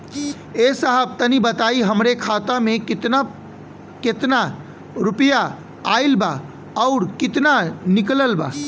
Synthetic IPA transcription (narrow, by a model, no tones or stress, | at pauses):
esəɦəb̚t̪ənibət̪aːiɦəmɾekʰat̪amẽkt̪a | ket̪na | ɾʊpja | aːilba | ɔʊɾkɪt̪nanɪkləlba̰ː